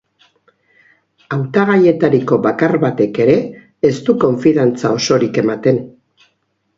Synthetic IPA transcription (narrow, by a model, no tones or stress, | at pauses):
awt̪aɣ̞aje̞t̪aɾiko̞βakaɾβat̪e̞ke̞ɾe̞ː | st̪uko̞ɱfiðant͡sao̞so̞ɾike̞mat̪e̞n